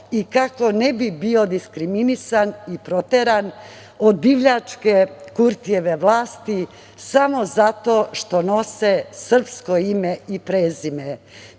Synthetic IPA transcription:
ikako̞nebibio̞d̪iskɾiminisanipɾo̞t̪eɾan | od̪̚biʋʎat͡ʂke̞kuɾt̪ijeʋeʋlˠaːst̪i | samo̞zat̪oːʃt̪o̞no̞sesr̩pskoimeipɾeːzime

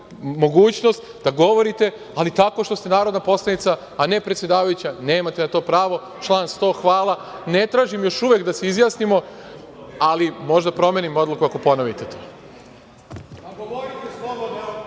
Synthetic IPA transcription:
mo̞ɡuːt͡ɕno̞st̪ | d̪aɡo̞ʋo̞ɾit̪e̞ | alit̪ako̞ʃt̪o̞st̪enaːɾo̞d̪napo̞slˠanit̪saːne̞pɾet̪sʲje̞d̪aːʋajut͡ɕane̞ːmat̪e̞nat̪o̞ːpɾaːʋo̞ | t͡ʃlˠaːnst̪o̞ːxʋaːlˠane̞t̪ɾaːʒimjo̞ʃuʋe̞kd̪aseizjaːsnimo̞ | alimo̞ʒd̪apɾo̞me̞ːnimo̞d̪lukuako̞po̞noʋit̪et̪ʰoː

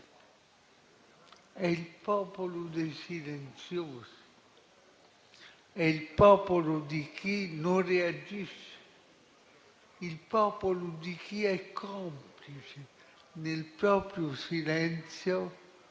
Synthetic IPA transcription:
ɛilpɔːpolod̪ejsilent̪sjoːzi̥ | ɛilpɔːpolod̪ikinonread͡ʒiʃe̥ | ilpɔːpolod̪ik̟ʰiɛkʰːɔmplit͡ʃe | nelpɾɔːpɾjosilɛnt̪sjo

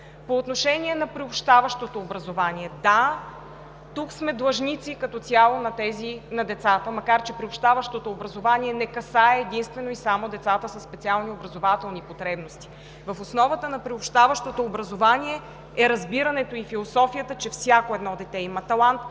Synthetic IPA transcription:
poːt̪noʃɛniɛnɐpɾiopʃt̪avɐʃt̪ot̪oːbɾɐzovaniɛd̪a | t̪uksmɛd̪lˠɐʒnit̪sikɐt̪ɔt̪sʲjalˠonɐt̪ɛzinɐd̪ɛt̪sat̪əmɐkaɾt͡ʃɛpɾiopʃt̪avɐʃt̪ot̪oːbɾɐzovanʲiɛnɛkɐsaɛːd̪inst̪vɛnoisamod̪ɛt̪sat̪əsəsːpɛt̪sialˠniobɾɐzovat̪ɛlˠnipot̪ɾɛbnost̪i̥ | vɐfosnɔvət̪ənɐpɾiopʃt̪avəʃt̪ot̪oːbɾɐzovaniɛ | ɛɾɐzbiɾɐnɛt̪oifilˠosɔfijət̪ət͡ʃɛfsʲjakoɛd̪nɔd̪ɛt̪ɛimɐt̪ɐlˠant̪

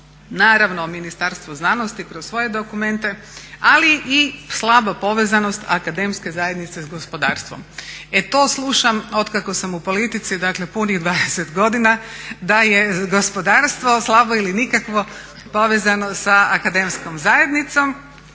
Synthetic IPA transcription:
naːɾaʋnominist̪aɾst̪ʋuznanost̪ikɾossʋo̞je̞d̪o̞kume̞nt̪e̞ | aliʔislˠabapo̞ʋezano̞st̪a̰kad̪emske̞zajed̪nit̪sezɡo̞spo̞d̪aːɾst̪ʋo̰me̞t̪o̞ːslˠuʃamo̞t̪kakosamupo̞lit̪it̪sid̪akle̞puniɣd̪ʋaːd̪eset̪ɡo̞d̪inad̪ajeɡo̞spod̪aːɾst̪ʋo̞slˠabo̞ilinikakʋo̞ | po̞ʋezanosaːkad̪emsko̞mzaje̞d̪nit̪so̞m

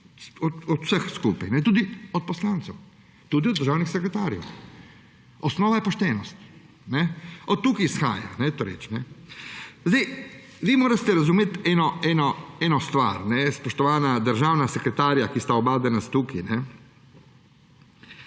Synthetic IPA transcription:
ɔt̪ɔt̪w̥səxskuːpajnɛt̪uːd̪iɔt̪̚pɔslaːnt̪sɛw | t̪uːd̪ioɔd̪ːəɾʒaːwnixsɛkɾɛt̪aːɾjɛ̰w | ɔsnɔːʋajɛpɔʃt̪ɛːnɔst̪ | nɛɔt̪ːuːkisxa̰ːja̰nɛt̪oɾɛ̰t͡ʃnɛ | zd̪ej | ʋiːmoːɾast̪ɛɾazumet̪ɛːnɔɛnɔɛːnɔst̪ʋa̰ɾnɛspɔʃt̪ɔʋaːnad̪əɾʒaːwnasɛkɾɛt̪aːɾjakist̪aɔbaːd̪ɛnast̪uːkinɛ

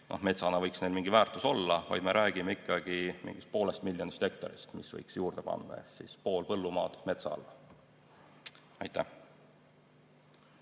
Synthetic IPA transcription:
nʔo̞̰hme̞t̪sɑnɑvɤjksne̞jlmiŋɡ̥ivæːrt̪ˑuso̞lːɑvɑ̰jd̪̥me̞ɾʔæːɡ̥imeikˑːɑɡ̥imḭŋɡ̥ist̪̚po̞ːlest̪milʲjonist̪e̞kt̪oɾist̪misvɤ̰jksjuːrd̪̥epɑ̰nd̪ɑ̰ḛsispo̞ːlpɤ̞lːumɑːt̪me̞t̪sɑ̰lɑ | ɑjt̪ːˑæ̰h

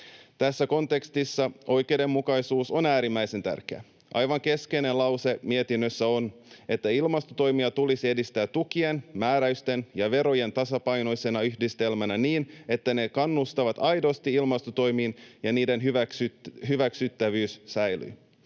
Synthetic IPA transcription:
t̪æsːæko̞nt̪e̞kst̪isːɑo̞jke̞wde̞mːukɑjsuːso̞næːɾimːæise̞nt̪æ̰rkeæ̰ | ʔɑ̰jʋɑŋke̞skejne̞nlɑwse̞miet̪inːøsːæo̞ne̞t̪ːæilmɑst̪ot̪o̞jmiɑt̪ulisie̞dist̪æːt̪ːukie̞nmæːɾæyst̪e̞njɑʋe̞ɾo̞je̞nt̪ɑsɑpɑjno̞jse̞nɑyçdist̪e̞lmænæniːne̞t̪ːæne̞kɑnːust̪ɑʋɑt̪ɑjdo̞st̪iilmɑst̪ot̪o̞jmiːnjɑniːde̞nɦyækɦyʋæksyt̪ːæʋyːssæjly̰j

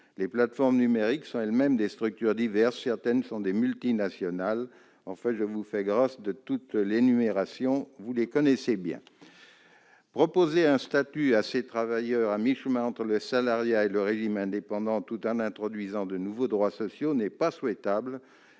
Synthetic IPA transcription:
leplat̪fɔʁmnymeʁiksɔ̃ɛlmɛmd̪est̪χyk̚t̪yʁd̪ivɛʁsːɛʁt̪ɛnsɔ̃d̪emylt̪inasjɔnal | ɑ̃fɛ̃ʒəvufɛɡʁasd̪ət̪ut̪lenymeʁasjɔ̃vulekɔnɛsebjɛ̰̃ | pχɔpozeɛ̃st̪at̪yaset̪χavajœʁamiʃmãɑ̃t̪χələsalaʁjaeləʁeʒimɛ̃d̪epɑ̃d̪ɑ̃t̪ut̪ɑ̃nɛ̃t̪χɔd̪ɥizɑ̃d̪ənuvod̪ʁwasɔsjonɛpaswɛt̪abl

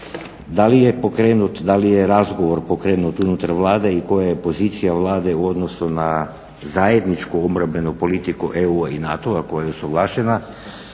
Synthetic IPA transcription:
d̪alijepokɾeːnut̪d̪alijeɾazɡoʋo̞ɾpokɾeːnut̪unut̪aɾʋlˠaːd̪e̞iko̞jajepo̞ziːt̪sijaʋlˠaːd̪e̞uo̞d̪no̞suna | zaje̞d̪nit͡ʃkuomɾabe̞nupo̞lit̪ikuʔeuainat̪oako̞jajeosoɡlˠaːʃena

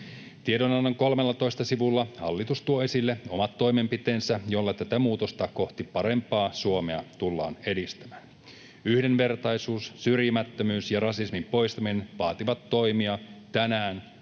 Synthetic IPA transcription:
t̪iedonɑnːɑŋko̞lmelːɑt̪o̞jst̪ɑsiʋulːɑhɑlːit̪ust̪uoesilːeo̞mɑt̪ːo̞jme̞mpit̪e̞ːnsæjo̞lːɑt̪æt̪æmuːt̪o̞st̪ɑko̞ht̪ipɑɾe̞mpɑːsuomeɑt̪ulːɑ̰ːne̞dist̪æmæːn | yhde̞nʋe̞rt̪ɑjsuːssyrjimæt̪ːømyːsjɑrɑsismimpo̞jst̪ɑmineʋɑːt̪iʋɑt̪ːo̞jmiɑt̪ænæːn

